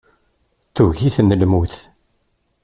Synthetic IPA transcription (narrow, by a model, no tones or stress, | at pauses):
θuʝiθnlmuθ